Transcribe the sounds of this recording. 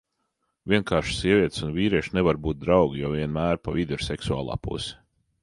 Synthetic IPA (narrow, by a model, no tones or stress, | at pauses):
vʲiɛnkʰaːɾʃsiɛvʲiɛt̪sunvʲiːɾiɛʃnɛvaɾbuːt̪̚d̪ɾɑwɡʲijaviɛnmæːɾpavid̪uɾsɛksua̰ːlˠɑ̰ːpṵsɛ̥